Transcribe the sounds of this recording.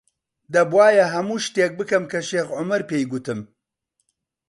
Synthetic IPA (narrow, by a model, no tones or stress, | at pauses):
d̪ɐbwaːjɐɦɐmuːʃt̪eːk̚bɨkɐmkɐʃeːxʕʊmɐɾpeːjɡʊt̪ɨm